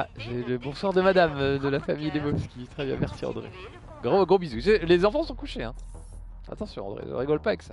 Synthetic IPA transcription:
ʒəɛləbɔ̃swaʁd̪əmad̪amd̪əlafamijd̪emɔpskʲit̪χɛbjɛ̰̃mɛʁsiɑ̰̃d̪ʁḛ | ɡʁoɡʁobizuselezɑ̃fɑ̃sɔ̃kuʃeɛ̰̃ | a̰t̪ɑ̃sjɔ̃ɑ̰̃d̪ʁḛɔ̰ʁiɡɔlpaavɛksa

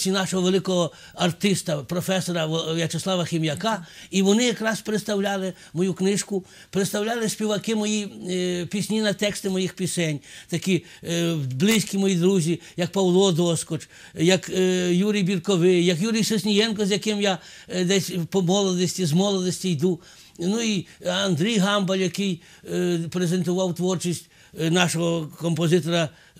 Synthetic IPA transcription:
sʲinɑʃɔɦɔʋelˠɪkɔɦɔ | ɐrt̪ɪst̪ɐpɾɔfɛsɔɾɐjɐt͡ʃeslˠɑʋɐxʲimjɐkɑiʋɔnɪjɐkɾɑspeɾɪt̪st̪ɐwlʲalˠɪ | mɔjuknɪʃkʊ | pɾet̪st̪ɐwlʲalˠɪsʲpʲiʋɐkɪmɔjipʲisʲnʲinɐt̪ɛkst̪ɪmɔjixpʲisɛnʲt̪ɐkʲi | blˠɪsʲkʲimɔjid̪ɾuzʲijɐk̚pɐwlˠɔd̪ɔskɔt͡ʃ | jɐkjuɾʲijbʲirkɔʋɪjɐkjuɾʲijsɔsʲnʲijɛnkɔzjɐkɪmja | d̪ɛsʲpɔmɔlˠɔd̪ˠɔsʲtʲizmɔlˠɔd̪ɔsʲtʲijd̪u | nuiɐnd̪ɾʲijɦɑmbɐlʲjɐkɪj | pɾezent̪ʊʋɑwt̪ʋɔrt͡ʃisʲtʲ | nɑʃɔɦɔkɔmpɔzɪt̪ɔɾɐ

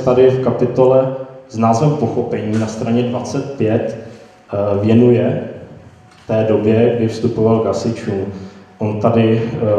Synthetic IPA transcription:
t̪adɪfkapɪt̪o̞lɛznaːzvɛmpo̞xo̞pɛɲiːnast̪ɾaɲɛdvat͡sɛt̪̚pjɛt̪ | vjɛnujɛ | ft̪ɛːdo̞bjɛɡdɪfst̪upo̞valɡasɪt͡ʃuːmʔo̞nt̪adɪ

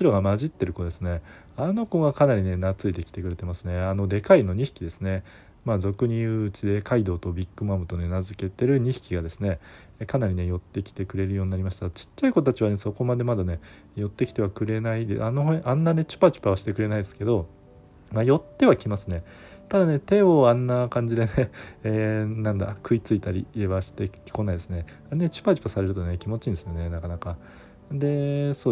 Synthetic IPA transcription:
oɕiɾoɡamaʑit̪ːe̞ɾɯ̟ko̞d̪e̞sɨne̞ | ano̞ko̞ɡakanaɾʲine̞nat͡sɨit̪e̞kʲi̥t̪e̞kɯ̟ɾe̞t̪e̞masɨne̞ano̞d̪e̞kaino̞ɲ̟içi̥kʲid̪e̞sɨne̞ | maːzo̞kɯ̟ɲ̟iɯːt͡ɕid̪e̞kaid̪o̞ːt̪o̞bʲikːɯ̟mamɯ̟t̪o̞ne̞nazɨke̞t̪e̞ɾɯ̟ɲ̟içi̥kʲiɡad̪e̞sɨne̞ | kanaɾʲine̞jo̞t̪ːe̞kʲi̥t̪e̞kɯ̟ɾe̞ɾɯjo̞ːɲʲinaɾʲimaɕi̥t̪at͡ɕi̥t͡ɕːaiko̞t̪t̪at͡ɕiβane̞so̞ko̞mad̪e̞mad̪ane̞ | jo̞t̪ːe̞kʲi̥t̪e̞akɯ̟ɾe̞naid̪eanoɦʔãnːane̞t͡ɕɨ̥pat͡ɕɨ̥pːaβaɕi̥t̪e̞kɯ̟ɾe̞naid̪esɨ̥ke̞d̪o̞ | majo̞t̪ːe̞βakʲimasɨne̞ | t̪ad̪ane̞t̪e̞oãnːakãɲ̟d͡ʑid̪e̞ne̞ː | nãnd̪a̰kɯ̟it͡sɨit̪aɾʲḭːe̞baɕi̥t̪e̞kʲi̥ko̞naid̪e̞sɨne | aɾene̞t͡ɕɨ̥pat͡ɕi̥pːasaɾe̞ɾɯ̟t̪o̞ne̞kʲimo̞t͡ɕĩːnd̪esɨjo̞ne̞nakanaka | d̪e̞so̞ː

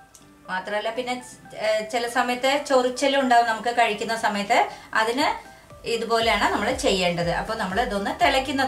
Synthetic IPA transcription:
maːt̪rɐmɐlːaːpinːe̞t͡ɕilɐsɐmɐjɐt̪ːɨt͡ɕo̞rit͡ɕːɐluɳɖaːʋɨnɐmukːɨkɐɻikʲːunːɐsɐmɐjɐt̪ːɨɐðinɨ | iðupo̞ːle̞jaːɳɨnɐmːɐɭet͡ɕe̞jːe̞ːɳɖɐðɨʔɐ̰pːo̞ːnɐmːɐɭðo̞nːɨt̪elɐkʲːunːɐð

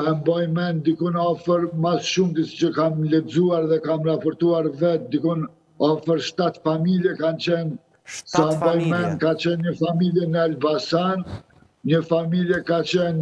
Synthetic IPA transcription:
ɛmbɔjmɛnd̪ikunɔfəɾmasʃumd̪isi̥t͡ɕəkamlɛd͡zuaɾðɛkamɾapɔɾt̪uaɾvɛt̪̚d̪ikun | ɔfəɾʃt̪at̪familjɛkant͡ɕɛn | sambɔjmɛnkat͡ɕɛnɲəfamiljɛnəalbasan | ɲəfamiljɛkat͡ɕɛn

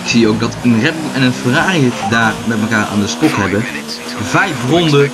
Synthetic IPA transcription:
ɪksiowk̚dɑtənrɛb̚blɛnənfəraːriətdaːrmɛtməkaːɹa̰ːndəstɔkɦɛbə | vɛjfrɔndə

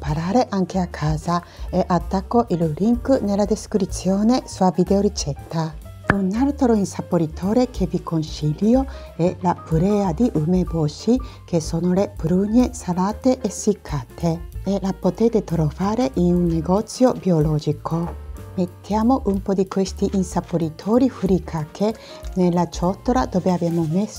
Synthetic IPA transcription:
paɾaːɾeʔaŋkeakʰːaːza | eʔat̪ːakːoʔiluɾiŋknelːad̪eskɾit̪sːjoːnesuavid̪eoɾit͡ʃɛt̪ːa | unːaɾt̪ɾoinsapːoɾit̪ʰoːɾekʰevikonsiljo | elapuɾɛːad̪iʔumebosikesoːnoleb̥ɾuɲesalaːt̪eʔːsikʰːaːt̪ʰeelapot̪ɛːt̪et̪ɾovaːɾeʔinunːeɡɔt̪sjobiolɔːd͡ʒikʰomet̪ːjaːmoʔumpɔd̪ikwest̪iʔinsapoɾit̪ʰɔːɾifuɾikʰakʰe | nelːat͡ʃɔt̪ːoɾad̪oːveabjaːmomes

